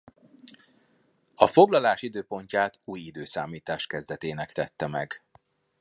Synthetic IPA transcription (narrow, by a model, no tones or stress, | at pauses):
ɒfo̞ɡlɒlaːʃid̪øːpo̞ɲcaːt̪uːjid̪øːsaːmiːt̪aːʃkɛzd̪ɛt̪eːnɛkt̪ɛt̪ːɛmɛɡ